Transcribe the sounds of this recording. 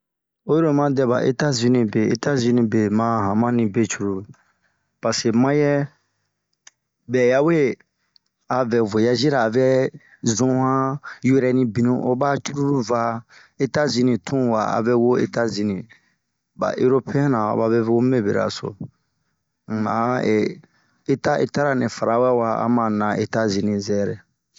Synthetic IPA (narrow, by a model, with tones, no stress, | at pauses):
o˦jo˦ɾo˦mã˦dɛ˨ba̰˨ʔe˦ta˦zĩ˧nĩ˨be˨e˦˨ta˦zĩ˧nĩ˨be˨mã˦ɦã˨mã˦nĩ˨be˦˨t͡ʃu˦ɾu˨ | pa˨se˨mã˦jɛ˦ | bɛ˨ja˦we˦ | a˨vɛ˨vo˨ja˦zi˦ɾaː˨vɛ˦ | zũ˦hã˦ju˦ɾɛ˨nĩ˨bĩ˨nũ˨ʔo˦ba˦t͡ʃu˦ɾu˦ɾu˦va˧ | e˦ta˦zĩ˧nĩ˨tʰũ˦wa̰˨a̰˨vɛ˦wo˦ḛ˦ta˦zĩ˧nĩ˨ | ba̰˨ʔe˦ɾo˦pɛ̃˦nã˨a̰˨ba˦vɛ˦ve˦wo˦me˦˨bḛ˨ɾa̰˨so̰˨ | a̰˨e˨ | e˦ta˦ʔḛ˦ta˦ɾa˨nɛ̃˨fa˨ɾa˨wa˦wa˦a̰˦mã˨nã˨e˦ta˦zĩ˨nĩ˨zɛ˦ɾɛ˨